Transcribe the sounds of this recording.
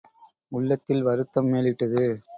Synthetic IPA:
ʊɭːɐt̪ːɪlʋɐɾɯt̪ːɐmːeːlɪʈːɐðɯ

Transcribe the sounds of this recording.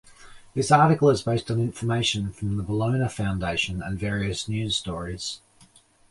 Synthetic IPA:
ðɪsɑˑɾɪkəl̩ˠəzbeɪstn̩ɪ̃ɱfəmeɪʃə̃nfɹə̃mðəbələ̃ʊ̃nəfãʊ̃ndeɪʃə̃nə̰̃nvɛːɹiɨsnjʉːz̥stɔːɹiz̥

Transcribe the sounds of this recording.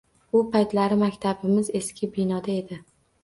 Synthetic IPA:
ʊpajt̪laɾɪmakʲt̪ʰabɪmɪze̞skʲɪbɪnɒd̪ae̞d̪ɪ

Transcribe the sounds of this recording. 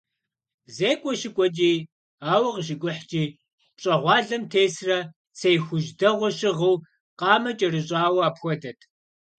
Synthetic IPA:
zeːkʷʼɔʃɪkʷʼɔt͡ʃʼiː | aːwɐʁəʃ̬ɪkʷʼʊħt͡ʃʼiː | ɕʼɐʁʷɑːɮɐmtʰeːsrɐ | sejxʷʊʒdɐʁʷɔɕɪʁəw | qɑːmɐt͡ʃʼɐrɨɕʼaːwɐaːpxʷɔdɐtʰʼ

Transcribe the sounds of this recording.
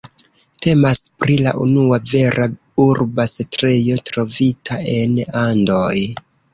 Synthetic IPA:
te̞maspɾila̰ʔunuave̞ɾʔa | uɾbasetɾe̞jo̞tɾo̞vitʰae̞nandoj

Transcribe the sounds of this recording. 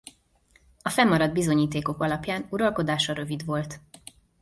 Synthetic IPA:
ɒfɛmːɒɾɒd̪bizo̞ɲiːt̪eːko̞kɒlɒpjaːnuɾɒlko̞d̪aːʃɒɾø̞vid̪ʋo̞lt̪

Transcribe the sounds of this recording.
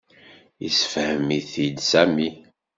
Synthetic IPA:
isə̥fhəmiθid̪sæmi

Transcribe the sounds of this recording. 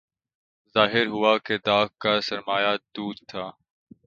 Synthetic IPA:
zaːɦɪɾɦʊaːkeːd̪aːkkaːsəɾmaːjaːd̪uːɾ̚t̪ʰaː

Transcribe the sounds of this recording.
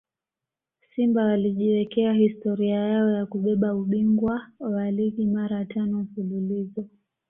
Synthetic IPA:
simbawaliʄiwɛkɛahistɔɾiajaɔjakuɓɛɓauɓiŋɡwawalikimaɾatanɔm̩fululizɔ

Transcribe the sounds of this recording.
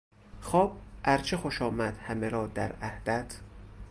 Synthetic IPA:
xɒːb̥̚ʔæɾt͡ʃʰexoʃɒːmæd̪̥hæmeɾɒːd̪æɾæhd̪æt̪ʰ

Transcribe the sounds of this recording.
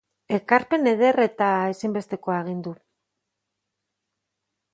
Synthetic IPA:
e̞kaɾpe̞ne̞ð̞e̞re̞t̪ae̞simbe̞st̪e̞ko̞aɣ̞ind̪u

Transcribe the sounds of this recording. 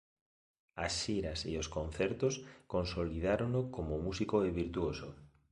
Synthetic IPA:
asʃiɾasḛoskonθɛɾt̪oskonsolið̞aɾonokomomusikoɛβiɾt̪uoso

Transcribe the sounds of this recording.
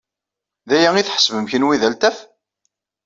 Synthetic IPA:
ðæjæŋiθħə̥svəmçənwiðælt̪æf

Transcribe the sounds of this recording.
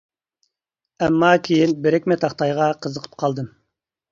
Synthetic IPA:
ɛmːɑkʲʰejinbɪɾɪkʲmɛt̪ʰɑχt̪ɑjʁɑqʰəzəqʰə̥p̚qʰɑlˠd̪ɨm

